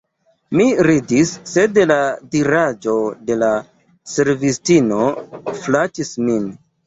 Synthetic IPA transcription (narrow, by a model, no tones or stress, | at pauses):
miɾidisːe̞dladiɾad͡ʒo̞de̞la | se̞ɾvistino̞flatismin